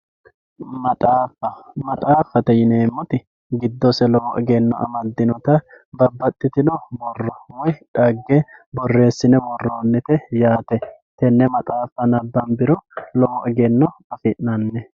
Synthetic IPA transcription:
mɐt̪ʼaːfɐmɐt̪ʼaːfːɐt̪ɛjɪneːmːɔt̪ɪ | ɡɪd̪ːɔsɛlɔwʔɪɡɛnːɔ̰ʔɐ̰mɐd̪ːɪnɔt̪ɐ | bɐbːɐt̪ʼːɪt̪ɪnɔbɔrːɔwɔjᶑɐɡːɛbɔrːe̞ːsːɪnɛwɔrːoːnːɪt̪ɛjaːt̪ɛt̪ɛnːɛmɐt̪ʼaːfːɐnɐbːɐnbɪɾɔlɔʔɪɡɛnːɔɐfɪʔnɐnːɛ

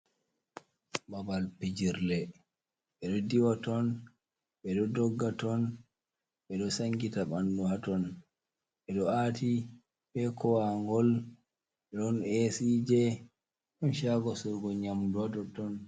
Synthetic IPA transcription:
babalpid͡ʒiɾlɛ | ɓɛɗɔdiwatɔn | ɓɛɗɔdɔɡːatɔn | ɓɛɗɔsaŋɡitaɓanduhatɔn | ɓɛɗɔatʰi | bɛkɔwaŋɡɔl | ɓɛɗɔnesiːd͡ʒɛ | ɗɔnʃaɡɔsɔɡɔɲamduwadɔtɔn

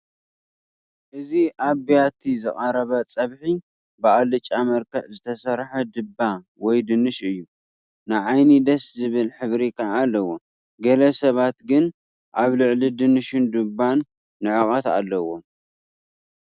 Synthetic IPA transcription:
ʔɨziʔaβijat̪ʰizɨχʼɐɾɐβɐt͡sʼɐβħi | bɨʔalɨt͡ʃʼamɐɾkʰɐʕzɨt̪ʰɐsɐɾħɐd̪ɨbːa | wɔjd̪ɨnɨʃɨjːu | nɨʕajnid̪ɐszɨβɨlħɨβɾik̪ʰaːlːɐwo̞ | ɡɐlɐsɐβat̪ɡɨn | ʔaβlɨʕlid̪ɨnɨʃɨnd̪ubanː | ɨʕɨχʼɐt̪a̰lːɐwo̞

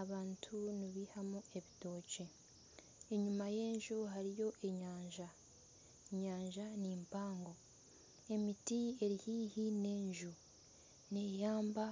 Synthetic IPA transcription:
aβaːntʰuniβihamue̞βito̞ːce̞ | eɲumaje̞ːɲʒuɦaɾijo̞ʔeɲaːɲʒa | ɲaːɲʒaniːmpaːŋɡo̞ | e̞mitie̞ɾihiːhine̞ːɲʒu | ne̞jaːmba

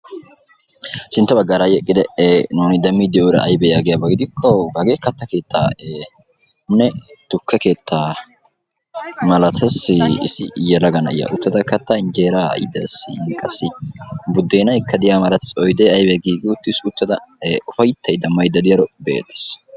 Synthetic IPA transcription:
sɪnt̪ːɐbɐɡːaːɾajɛkʼːɪd̪ɛnuːnɪd̪ɐmːid̪ɪjoːɾɐ̰ɐjbɛjaːɡɪjɐbɐɡɪd̪ɪkʰːɔɡɐɡeːkɐt̪ːɐke̞ːt̪ːa̰ːe | nɛt̪ʊkʰːɛke̞ːt̪ʰːaː | mɐlɐt̪ʰɐsɪ̰sɪjɛlɐɡɐnɐʔɪ̰jɐ̰ʔʊt̪ːɐd̪ɐkɐt̪ːɐɪnd͡ʒeːɾa̰jɪ̰d̪ɐsɪŋkʼɐsɪbʊd̪ːeːnɐjkːɐd̪ɪjaːmɐlɐt̪ɐsɔjd̪eɐjbɛɡiːɡɪʊt̪ːɪsʊt̪ːɐd̪ɐʊfɐjt̪ʰːɐjd̪ɐmːɐjd̪ɐd̪ɪjɐɾɔbḛːt̪ːɛ̥s

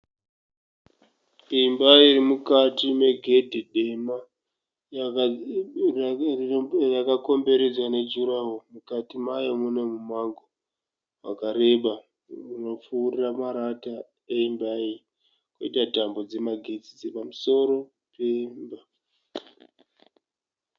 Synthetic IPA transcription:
imbaiiɾimukatime̞ɡʱe̞dʱiɗe̞ma | rakako̞mbe̞ɾe̞d͡zwane̞d͡ʒuɾawomukatimajomune̞mumaŋɡo | wa̰kaɾe̞ɓa | uno̞p͡fuːriramaɾata | eimbai | koitatambo̞d͡ze̞maɡʱed͡zid͡zepamuso̞ɾo̞ | pe̞mba

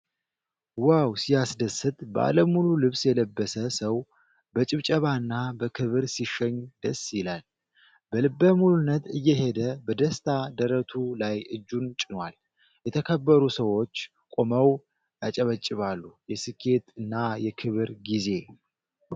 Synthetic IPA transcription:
wawsijasd̪əsɨt̪ʼbəa̰ləmululɨβsjɛləbːəsəsəw | bət͡ʃʼɨβt͡ʃʼəβaɨnːabəkʰɨβɨɾsiʃɛɲːd̪əsjɪlal | bəlɨbːəmulɨnːət̪ʰɨjːɛɦe̞d̪əbəd̪əst̪ʰad̪əɾət̪ʰulajʔɨd͡ʒːunt͡ʃʼɪnwal | jɛt̪ʰəkʰəbːəɾusəwo̞t͡ʃː | kʼo̞məw | jat͡ʃʼəβət͡ʃʼːɪβalːujɛsɨkʰːe̞t̪ɨnːajɛkʰɨβɨɾɡize̞

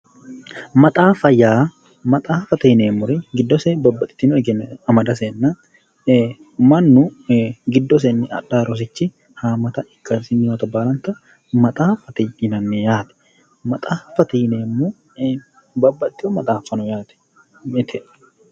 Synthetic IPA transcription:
mɐt̪ʼaːfɐjaː | mɐt̪ʼaːfɐt̪ɪːneːmːʊɾɪɡɪd̪ːɔsɛbɐbːɐt̪ʼːɪ̥t̪ːɪnɔɛɡɛnɐmɐd̪ɐseːnːɐ | mɐnːʊɡɪd̪ːɔs̬ɛnːɪɐ̰ᶑaːɾɔs̬ɪt͡ʃːɪ | haːmɐt̪ɐɪkːɐsɪnːɪnɐt̪ɐbaːlɐnt̪ɐ | mɐt̪ʼaːfɐt̪ɪɪnɐnːɛjaːt̪ɛ̥ | mɐt̪ʼaːfɐt̪ijneːmːu | bɐbːɐt̪ːɪɔmɐt̪ʼaːfːɐnɔjaːt̪ɛ̥ | ɪt̪ʰɛ

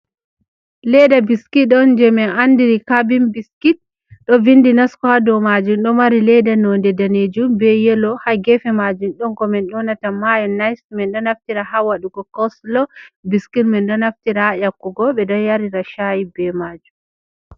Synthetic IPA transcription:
lɛdabiskiɔnd͡ʒɛmɛnandiɾikabimbiskit̚ | ɗɔvindinaskɔhadɔmad͡ʒumɗɔmaɾilɛdanɔndɛdaned͡ʒumbɛjɛlɔhaɡɛfɛmad͡ʒumɗɔŋkɔmɛnɗɔnatamajanːajsmɛnɗɔnaftiɾahawaɗuɡɔkɔslɔbiskitmɛnɗɔnaftiɾajakːuɡɔbɛdanjaɾiɾaʃajibɛmad͡ʒum

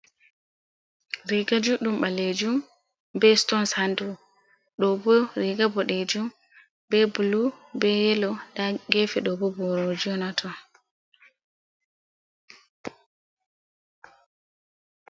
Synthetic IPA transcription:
ɾiɡad͡ʒuɗumɓaled͡ʒum | bɛstɔnsandu | ɗɔbɔɾiɡabɔɗed͡ʒum | bɛbulubɛjɛlɔdaɡɛfɛɗɔbɔbɔɾod͡ʒiɔnatʰɔ

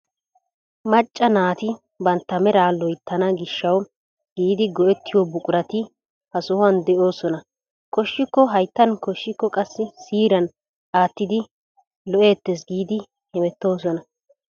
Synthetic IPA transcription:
mɐt͡ʃʼːɐnaːt̪ɪ | bɐnt̪ːɐmɛɾaːlɔjt̪ʰːɐnɐɡɪʃːɐw | ɡ̥iːd̪ɪɡɔɛt̪ːɪjɔbʊkʼʊɾɐt̪ɪ | hɐsʊhʊɐnd̪ɛʔo̞ːsɔnɐ | kɔʃːɪkːɔɦɐjt̪ːɐnkɔʃːɪkːɔkʼɐsːɪsiːɾɐn | aːt̪ːɪd̪ɪ | lɔʔe̞ːt̪ːes̬ɡiːd̪ɪ | hɛmɛt̪ːo̞ːsɔnɐ

